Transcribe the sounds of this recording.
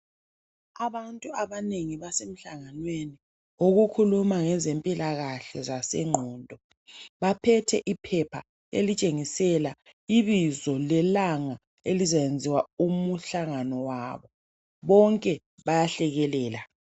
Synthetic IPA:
aβantʼuaβaneŋiβasem̩ɬaŋanweni | oɣukʰulumaŋɛzempʼilaɣaɬɛzasɛ̰ŋ͡ǃʱɔːndʱɔ | βapʰɛtʰɛʔipʰɛpʰa | ḛlit͡ʃʼeŋisɛla | iβizɔlɛlaŋa | elizajend͡zʱiwaumuɬaŋanɔwaːβɔ | βɔŋkʼɛ | βajaɬɛɣɛlɛːla

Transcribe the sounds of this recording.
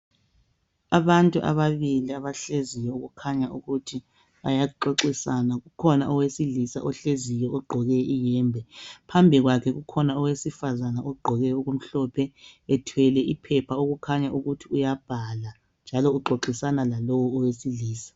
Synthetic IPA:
aβantʼuʔa̰βaβiliaβaɬezijɔuɣukʰaɲaʔuɣutʰi | βa̰jaǃoǃisanaɣukʰɔnaʔɔwesilisa̰ʔɔɬezijɔɔɡ͡ǃʱɔɣɛʔijɛːmbʱɛpʰambʱiɣwakʰɛɣukʰɔnaɔwesifazanaɔɡ͡ǃʱɔɣɛuɣum̩ɬɔpʰɛɛtʰwɛlɛʔipʰɛpʰaoɣukʰaɲaʔuɣutʰiujab̥ʱala | nd͡ʒʱalɔuɡ͡ǃʱoǃisanalalowuɔwesiliːsḁ

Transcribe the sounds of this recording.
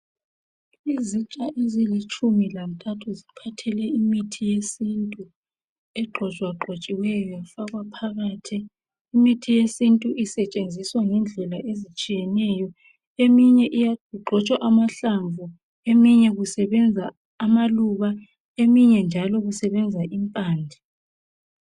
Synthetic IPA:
izit͡ʃʼaʔezilit͡ʃʰʼumilam̩tʰʼatʰuzipʰatʰɛlɛimitʰijesintʼu | ɛɡ͡ǃʱɔt͡ʃʼwaɡ͡ǃʱot͡ʃʼiwɛjɔfaɣwapʰaɣaːtʰiː | mitʰijesintʼuʔisɛt͡ʃʼend͡zʱiswaŋɛnd͡ɮʱɛlaʔezit͡ʃʼijɛnɛjɔ | emiɲɛʔijauɡ͡ǃʱɔt͡ʃʼwaʔamaɬaɱvu | emiɲɛɣusɛβɛnd͡zʱaː | maluβa | emiɲɛnd͡ʒʱalɔɣusɛβɛnd͡zʱaʔimpʼaːnd͡ɮʱɛ

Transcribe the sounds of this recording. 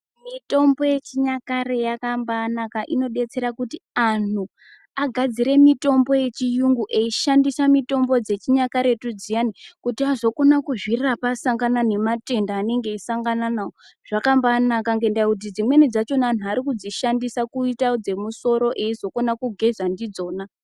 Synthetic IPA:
mito̞mbo̞je̞t͡ʃiɲakare̞jakambaːnakaʔino̞ɗe̞t͡se̞ɾakutian̤u | aɡʱad͡ziɾe̞mito̞mbo̞je̞t͡ʃijuŋɡuʔeiʃandisamito̞mbo̞d͡ze̞t͡ʃiɲakaɾeetud͡zijanikutiazo̞ko̞nakuʐirrapasaŋɡanane̞mate̞ndaːne̞ŋɡe̞isaŋɡananao | ʐ̥akambaːnakaŋɡe̞ndajakut̬id͡zimwe̞nid͡zat͡ʃo̞nan̤uaɾikud͡ziʃandisakuitaod͡ze̞muso̞ɾo̞ʔeizo̞ko̞nakuɡʱe̞zandid͡zo̞ːna

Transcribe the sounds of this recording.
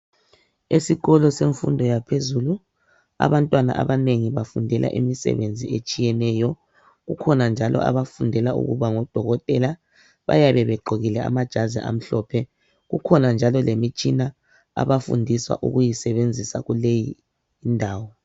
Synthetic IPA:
esiɣɔlɔseɱfṵndʱɔjapʰezulu | a̰βantʼwana̰ʔa̰βaneŋiβafundʱɛlʔa̰ʔimisɛ̰βend͡zʱiet͡ʃʼijɛnɛːjɔ | ɣukʰɔnand͡ʒʱalɔ̰ʔa̰βafundʱɛlaṵɣṵβaŋɔd̥ʱɔɣɔtʼɛla | βa̰jaβɛβɛɡ͡ǃʱoɣilɛa̰mad̥ʒ̥ʱazḭʔa̰m̩ɬɔːpʰɛ | ɣukʰɔnand͡ʒʱalɔlemit͡ʃʼina | a̰βafṵndʱiswa̰ʔṵɣujisɛβend͡zʱisa̰ɣulejiː | ndʱaːwɔ

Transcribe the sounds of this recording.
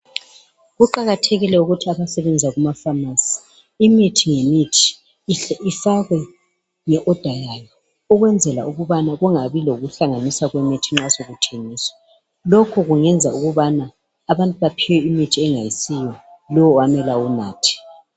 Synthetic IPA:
ɣuǃaɣatʰeɣilɛuɣutʰiaβasɛβɛnd͡zʱaɣumafamasi̥ | imitʰiŋemitʰi̥ | ifaɣwɛ | ŋɛʔɔd̥ʱajajɔ | ɔɣwɛnd͡zʱɛla̰uɣuβanaɣuŋaβiloɣuɬaŋanisaɣwɛmitʰiŋ͡ǁasoɣutʰeniːswḁ | lokʰuɣuŋɛnd͡zʱauɣuβanaː | βantʼuβapʰiwɛimitʰiɛŋajisijɔlɔwwamɛlaunaːtʰi̥

